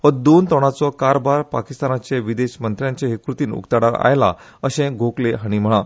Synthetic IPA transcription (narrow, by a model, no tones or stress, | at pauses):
ɔd̪ont̪ɔɽ̃at͡sɔkaɾbaɾpakist̪anat͡ɕeʋid̪eɕmənt̪ɾjaɲt͡ɕẽɦekɾut̪iːnṵkt̪aɽaa̰jla̰ | əɕẽɡʱokleɦaɽ̃im̤əɭ̃ã